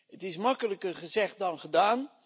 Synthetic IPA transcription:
ətɪsmɑkələkərχəzɛχ̚dɑnχədaːn

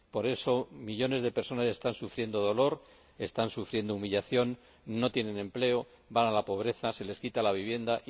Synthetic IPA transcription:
po̞ɾe̞so̞miʎo̞ne̞zðe̞peɾso̞nase̞st̪ansufɾje̞nd̪o̞ð̞o̞lo̞ɾ | e̞st̪ansufɾje̞nd̪oumiʎaθjo̞nː | o̞t̪je̞ne̞nẽ̞mple̞o | banalapo̞β̞ɾe̞θase̞le̞skit̪alaβiβje̞nd̪aʔ

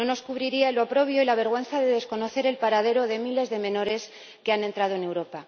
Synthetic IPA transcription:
no̞no̞skuβɾiɾiaeloapɾo̞βjo̞ilaβe̞ɾɣ̞we̞nθaðe̞ðe̞sko̞no̞θe̞ɾe̞lpaɾaðe̞ɾo̞ðe̞mile̞zðe̞mẽ̞no̞ɾe̞s | ke̞anẽ̞nt̪ɾað̞o̞e̞newɾo̞pa

